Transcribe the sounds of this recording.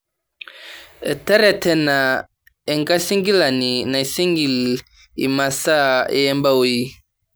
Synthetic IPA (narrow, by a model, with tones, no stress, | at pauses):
ḛ˨tɛ˦ɾɛ˨tɛ˦na˨ | e˨ŋ˦ka˦si˦ŋɡi˦la˨ni˨na˨i˨si˦ŋɡi˨l | ḭ˨ma˨sa˦ḛ˨jɛ˦mba˦wo˦ji˦